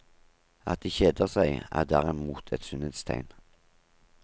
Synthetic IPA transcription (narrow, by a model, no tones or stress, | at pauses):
ɑ̰t̪̚d̪iːçeːd̪əʁsæɪæ̰ːʁd̪æːʁɛmuːt̪ʰɛt̪sʏnət̪st̪ʰæ̰ɪn